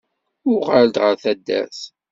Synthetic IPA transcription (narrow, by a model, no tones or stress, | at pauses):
ʊʁald̪ʁəɾθæd̪ːæ̰s